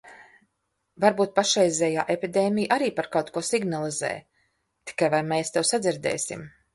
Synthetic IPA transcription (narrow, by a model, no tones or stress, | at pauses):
vaɾbuːt̪̚paʃɛjzʲɛːjaːʔepʲid̪eːmʲijʔaɾiːpaɾkawt̪̚kuɔsiɡnalˠizɛ̰ːj | t̪i̥kajvajmɛːst̪ewsad̪ziɾd̪ɛ̰ːsʲḭm